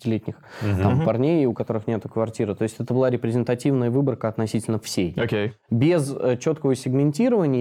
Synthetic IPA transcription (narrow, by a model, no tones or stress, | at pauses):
ɪtʲɪlʲetʲnʲɪxt̪ammpɐrnʲejʊkɐt̪o̞ɾɨxnʲe̞t̪ʊkvɐrtʲiɾɨt̪o̞ɪsʲtʲɛt̪əbɨlˠaɾʲɪpɾʲɪzʲɪnt̪ɐtʲivnəjəvɨbərkəɐt̪nɐsʲitʲɪlʲnəfsʲejokʲejbʲɪzət͡ɕo̞t̪kəvəsʲɪɡmʲɪnʲtʲiɾəvənʲɪj